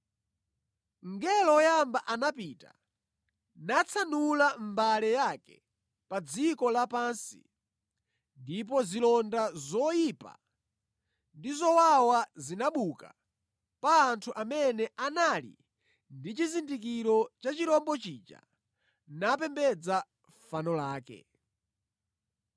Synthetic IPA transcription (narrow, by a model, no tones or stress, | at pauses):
ŋɡɛlɔjambaʔanapiːta̰ | nat͡sʰanulambalɛjakɛ̰ | pad͡zikɔlapaːnsḭ | ndip̬ɔzilɔndazɔjipa̰ | ndizɔwawazinaɓuka̰ | paːntʰuʔamɛnɛʔanalḭ | ndit͡ʃizindik̬iɾɔt͡ʃat͡ʃiɾɔmbɔt͡ʃiːt͡ʃa̰ | napɛmbɛd͡za | fanɔlaːkɛ̰